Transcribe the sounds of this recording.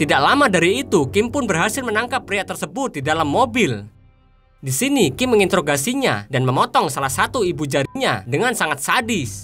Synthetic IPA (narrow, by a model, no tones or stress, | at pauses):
t̪idaʔlamadaɾiːt̪ukɪmpʊnbərɦasɪlmənaŋkapːɾijaʔt̪ərsəbʊt̪̚didalamːobɪl | disinikɪmːəŋint̪əɾoɡasiɲa̰danməmɔt̪ɔŋsalahsat̪uibud͡ʒaɾiɲadəŋansaŋat̪̚sadɪs